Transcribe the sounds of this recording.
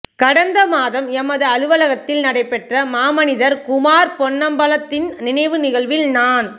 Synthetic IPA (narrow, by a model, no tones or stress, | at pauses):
kɐɽɐnd̪ɐmaːðɐmɛmɐðɯɐɻɯʋɐlɐɣɐt̪ːɪlnɐɽɐɪpːɛʈrɐmaːmɐnɪðɐɾkʊmaːɾpɔɳːɐmbɐlɐt̪ːɪnnɪnɐɪʋɯnɪɣɐɭʋɪlnaːn